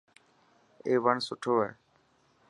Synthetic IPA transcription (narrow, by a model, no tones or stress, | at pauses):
eːʋəɳsʊʈʰoːɛ̰ː